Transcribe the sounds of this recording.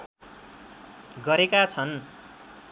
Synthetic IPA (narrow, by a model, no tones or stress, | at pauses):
ɡʌɾekat͡sʰʌn